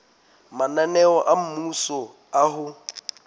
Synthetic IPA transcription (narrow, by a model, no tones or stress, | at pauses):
mananɛɔʔam̩musɔ | aɦʊ